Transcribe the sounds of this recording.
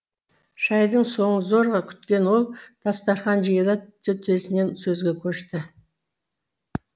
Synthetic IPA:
ʃɑjd̪əɴso̞ɴənzo̞ɾʁɑkʲʰʏ̥t̪kʲe̞nwo̞lˠd̪̥ɑst̪ɑɾχɑnʒijəlˠət̪ːɪt̪ʰesɪne̞nsɵzɡʲe̞kʲʰɵʃt̪ɪ

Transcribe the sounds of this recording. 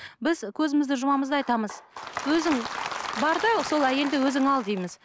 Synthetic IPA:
bɪzkʲʰɵzɪmɪzd̪ɪʒʊmɑməzd̪əɑjt̪ɑməzwɵzɪŋbɑɾd̪ɑso̞lˠæje̞ld̪ɪwɵzɪŋɑlˠd̪ejmɪz

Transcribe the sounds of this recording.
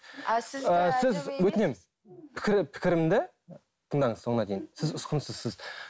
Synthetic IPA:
əsɪzwɵt̪ɪne̞mɪz | pʰɪ̥kʲɪɾɪpʰɪ̥kʲɪɾɪmɪnd̪e | t̪ʰəɴŋd̪ɑɴəzso̞ɴənɑd̪ejɪnsɪzʊsqənsəzsɪz

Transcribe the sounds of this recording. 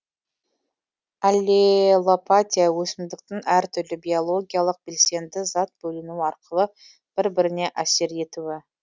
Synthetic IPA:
alʲːelˠopat̪ʲijawɵsɪmd̪ɪk̚t̪ɪŋæɾt̪ʰʏɾlɪbʲio̞lˠo̞ɡʲijalˠəq̚b̥e̞lse̞nd̪ɪzɑt̪̚bɵlɪnuwɑɾqəlˠə | b̥ɪɾbɪɾɪne̞ʔæse̞ɾe̞t̪uwɪ

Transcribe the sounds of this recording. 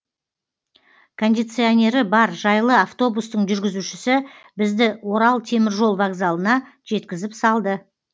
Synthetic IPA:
kʰo̞nd̪ʲit̪sɨo̞nʲe̞ɾɪbɑɾʒɑjlˠəaft̪o̞bust̪əɴʒʏɾɡʲɪzuʃɪsɪbɪzd̪ɪwo̞ɾɑlˠt̪ʰe̞mɪɾʒo̞lˠvaɡzalˠənɑ | ʒ̥e̞t̪kʲɪzɪpsɑlˠd̪ə

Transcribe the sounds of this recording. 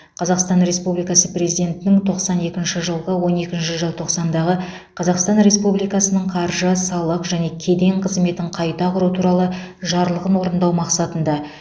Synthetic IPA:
qʰɑzɑqst̪ɑnɾe̞spublijkɑsəpre̞zijd̪e̞nt̪ɪnɪŋt̪ʰo̞qsɑne̞kʲɪnʃɪʒəlˠʁəwo̞ne̞kʲɪnʃɪʒəlˠt̪ʰo̞qsɑnd̪ɑʁə | qʰɑzɑqst̪ɑnɾe̞spublijkɑsənəɴqʰɑɾʒəsɑlˠəqʒæne̞kʲʰe̞d̪e̞ŋqʰəzme̞t̪ɪɴqʰɑjt̪ɑqʊɾut̪ʰuɾɑlˠəʒɑɾlˠəʁənwo̞ɾənd̪ɑwmɑqsɑt̪ənd̪ɑ

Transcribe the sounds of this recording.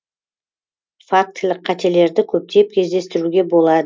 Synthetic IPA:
fak̚t̪lɪqqʰːɑt̪e̞le̞ɾd̪ɪkʲʰɵp̚t̪e̞p̚kʲʰe̞zd̪e̞st̪ɪɾuɡʲe̞bo̞lˠɑd̪ə

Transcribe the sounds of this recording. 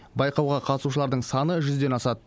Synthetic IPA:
bɑjqɑwʁɑqʰɑt̪əsuʃ̬əlˠɑɾd̪əɴsɑnəʒʏzd̪e̞nɑsɑd̪ə

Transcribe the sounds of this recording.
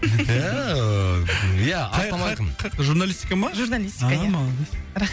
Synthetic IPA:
æ | jæɑɑmɑjqənʰqt̪əʒuɾnalʲˠisʲt̪i̥kamɑʒuɾnalʲist̪ʲːkajmɑɾa

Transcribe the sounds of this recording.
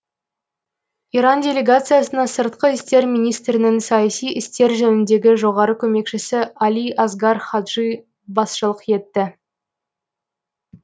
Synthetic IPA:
iɾɑndʲe̞lʲe̞ɡat̪sɨjasənɑsəɾt̪̚qəɪst̪e̞ɾmʲijnijst̪ɾɪnɪŋsɑjɑsijɪst̪e̞ɾʒɵnɪnd̪e̞ɡʲɪʒo̞ʁɑɾəkʲʰɵme̞kʃɪsɪalʲiʔɑzɡɑɾχɑd̪ʒij | bɑsʃəlˠəqje̞t̪ːɪ

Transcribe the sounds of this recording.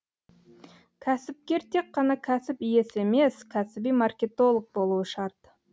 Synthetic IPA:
kʲʰæsɪp̚kʲe̞ɾt̪ʰe̞kqːɑnɑkʲʰæsɪpije̞se̞me̞skʲʰæsɪbijmarkʲe̞t̪o̞lˠəq̚bo̞lˠuwəʃɑɾt̪

